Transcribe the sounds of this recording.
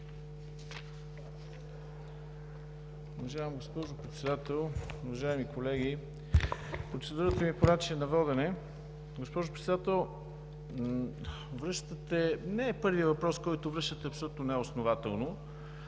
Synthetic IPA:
ʊvɐʒajəmɡospɔʒopɾɛt̪sɛd̪at̪ɛlˠuvɐʒaɛmikʰolɛɡi | pɾot̪sɛd̪uɾət̪əmiponat͡ʃiɛnɐvɔd̪ɛnɛ | ɡospɔʒopɾɛt̪sd̪at̪ɛlˠ | vɾɤʃt̪ət̪ɛnɛːpɤɾviəvɐpɾɔskɔjt̪ovɾɤʃt̪ət̪ɛɐpsolʲut̪nonɛosnovat̪ɛlˠno

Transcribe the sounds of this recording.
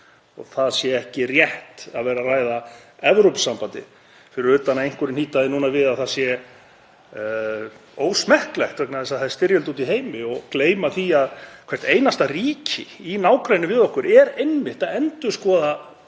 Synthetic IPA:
ɔ̰ɣθaðsjɛɛhcɪrjɛht̪aðvɛːɾaraːjðaɛvɾowpsːampant̪ɪ̰ | fɪɾɪɾʏt̪ːanaejŋ̥kʏɾɪnhiːt̪aðɪnuːnavɪðaðθasjɛ | oːwsmɛhklɛxt̪vɛknaðɛsaðθað̥st̪ɪɾjɛlt̪uːt̪iɦeːjmɪɔɣkleːjmaθiaðkʰvɛr̥t̪eːjnast̪ariːcʰɪinaːwkɾajnʏvɪðɔhkʏɾʔɛɾejnmɪht̪aðɛnt̪ʏ̥skɔːða

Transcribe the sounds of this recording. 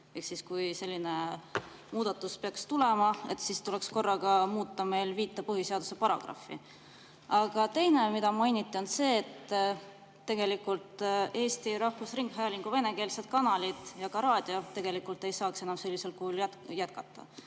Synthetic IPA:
e̞ksiskujse̞lʲːine̞ | muːd̪̥ɑt̪ːˑuspe̞ɑkst̪ule̞mɑe̞t̪ːˑsist̪ule̞ksko̞rːɑɡɑmuːt̪ˑːɑme̞jlviːt̪ːˑɑpɤɦiseɑd̪̥use̞pɑɾɑ̰ɡ̥ɑ̰fːḭ | ɑɡ̥ɑt̪e̞jne̞mid̪̥ɑmɑjnit̪ʲːˑio̞nse̞ːt̪ː | e̞ɡ̥e̞likːult̪e̞ːst̪iɾɑhvusriŋɡ̥ɦæjɑliŋɡ̥uve̞ne̞ke̞ːlsed̪̚kɑnɑlid̪̥jɑkɑɾɑːd̪̥io̞t̪e̞ɡ̥e̞likːˑult̪ːe̞jsɑːkse̞nɑmse̞lʲːise̞lkuhulj̪jæt̪̚kɑt̪ːˑɑ̰

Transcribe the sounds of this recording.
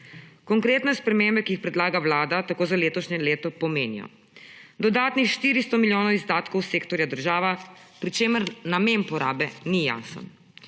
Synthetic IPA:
kɔŋkɾeːt̪nɛspɾɛmeːmbɛkiixpɾɛd̪laːɡawlaːd̪at̪akoːzaleːt̪ɔʃɲɛleːt̪ɔpɔmeːnḭjɔ̰ | d̪ɔd̪aːt̪nixʃt̪iːɾist̪ɔmiljoːnɔwizd̪aːt̪kɔwseːkt̪ɔɾjad̪əɾʒaːʋapɾit͡ʃeːməɾnameːnpɔɾa̰ːbɛnija̰ːsə̰n

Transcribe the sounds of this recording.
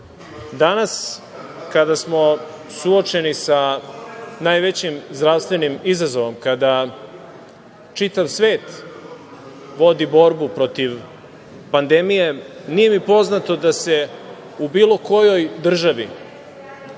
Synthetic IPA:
d̪anas | kad̪asmo̞ | suot͡ʃe̞nisa | naːjʋe̞t͡ɕimzd̪ɾavst̪ʋe̞nimizazo̞ʋo̞mkad̪a | t͡ʂit̪aʋsʋeːt̪ | ʋo̞d̪ibo̞ɾbupɾo̞t̪iʋ | pand̪e̞mije̞nije̞mipo̞znat̪o̞d̪ase̞ | ubiːlˠo̞ko̞jo̞jd̪r̩ʒaʋi

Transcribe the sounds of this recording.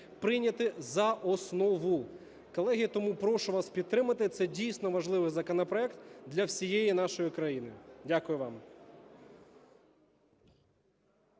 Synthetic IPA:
pɾɪnʲɐt̪ɪzɐʔɔsnɔʋʊ | kɔlˠɛɦʲijɐt̪ɔmupɾɔʃʊʋɑspʲid̪̚t̪ɾɪmɐt̪ɪt̪sɛdʲijsʲnɔʋɐʒlˠɪʋɪzɐkɔnɔpɾɔɛkt̪d̪lʲɐwsʲijɛjin̪ɑʃɔjikɾɐjinɪdʲakʊjʊʋɑm

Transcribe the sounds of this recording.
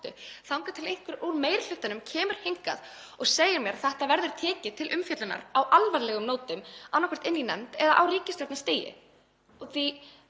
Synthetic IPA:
t̪ʏθawŋkat̪ʰɪlejŋ̥kvɪɾuɾmeːjɾɪl̥ʏht̪anʏmcʰɛːmʏɾ̥hejŋka̰ð | ɔɣseːjɪɾmjɛɾθɛht̪avɛɾðʏɾ̥t̪ʰɛːcɪt̪ʰɪlʔʏmfjœt̪lɪna̰ɾawʔalvaɾlɛːɣʏmnoːwt̪ʏmanːakʰɛ̥t̪ɪnːinɛ̰mt̪ɛðaʔawriːcɪst̪ɛp̪nast̪eːjɪ̰ | ɔθi

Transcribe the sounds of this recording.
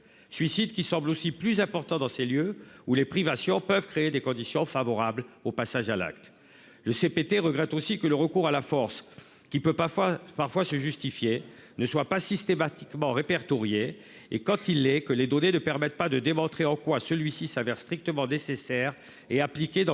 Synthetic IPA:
sɥisid̪kʲisɑ̃blosiplyzɛ̃pɔʁt̪ɑ̃d̪ɑ̃seljøulepχivasjɔ̃pəvkχeed̪ekɔ̃d̪isjɔ̃favɔʁablopasaʒala̰kt̪ | ləsepet̪eʁəɡʁɛt̪osikələʁəkuʁalafɔʁs | kʲipøpaʁfwasəʒyst̪ifjenəswapasist̪emat̪i̥kmɑ̃ʁepɛʁt̪ɔʁjeː | kɑ̃t̪ilːɛkəled̪ɔnenəpɛʁmɛt̪̚pad̪əd̪emɔ̃t̪χeɑ̃kwasəlɥisisavɛʁst̪χik̚t̪əmɑ̃nesesɛʁ | eaplikʲed̪̃

